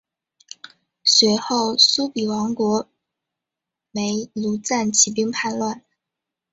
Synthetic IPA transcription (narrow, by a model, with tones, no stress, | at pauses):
swɛ˧˥ɪxo˥˩ʊsu˥pi˨˩wɑ˧˥ŋkwɔ˧˥ | me˧˥ɪlu˧˥t͡sa˥˩nt͡ɕʰi˨˩pi˥ŋpʰa˥˧nlwa˥˩n